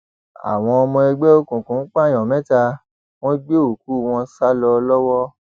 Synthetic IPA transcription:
a̰˨w̃ɔ̃˧ɔ˧mɔ̃˧ɛ˧ɡ͡bɛ˦o˦kũ˨kũ˨˦k͡pa˦˨j̃ɔ̃˨mɛ̃˨˦ta˧ | w̃ɔ̃˦ɡ͡be˦o˨ku˨˦˨w̃ɔ̃˧sa˦lɔ˧lɔ˦wɔ˦

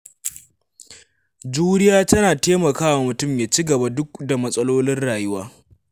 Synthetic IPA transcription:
d͡ʒuː˦ɽɪ˦jaː˦tɐ˦naː˨teː˦mɐ˨kaː˦wa˨mʊ˨tʊ˦˨mjaː˨t͡ʃi˦ɡɐ˨ba˦dʊ˦k̚da˨mɐ˦sʼɐ˦loː˦lɪ˦nɽaː˨jʊ˦waː˦

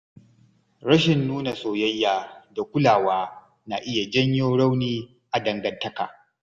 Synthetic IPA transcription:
ɾɐ˦ʃɪ˨nːuː˦na˨soː˨jɐ˦jːaː˨da˨kʷʊ˦laː˨waː˦ | na˨ʔɪ˦ja˨d͡ʒɐ˦ɲjoː˦ɽɐ˦wniː˦ | ʔa˨dɐ˨ŋɡɐ˨ntːɐ˦ka̰ː˨

